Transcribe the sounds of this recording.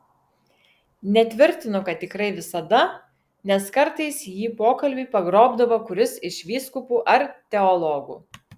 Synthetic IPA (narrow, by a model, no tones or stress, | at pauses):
nʲɛt̪ʲʋʲɪɾʲt̪ʲɪnʊkɐt̪̚ʲːɪkɾɐɪʋʲɪsɐd̪ɐ | nʲɛskɐɾt̪ɐɪsjiːpoːkɐlʲbʲipɐɡɾoːbd̪ɐʋɐkʊɾʲɪsɪʃʲʋʲiːskʊpuːʔɐɾt̪ʲɛɔlˠɔːɡṵː